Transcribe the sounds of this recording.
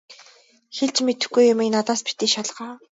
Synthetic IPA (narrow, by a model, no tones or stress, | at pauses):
xeɮt͡ɕmet̪ɘ̆xɡujːʊmeknat̪aːspi̥t̪iːʃaɮʁaː